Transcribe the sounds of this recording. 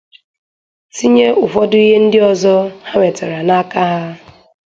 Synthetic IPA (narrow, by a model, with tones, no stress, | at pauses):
si˦ɲe˦ʊ˨fɔ˦dʊ˦i˦ɦe˦n̩˦dɪ˦ɔ˨zɔ˦ha˦ŋʷe˨te˨ɾa˨na˦ka˦ɦa˦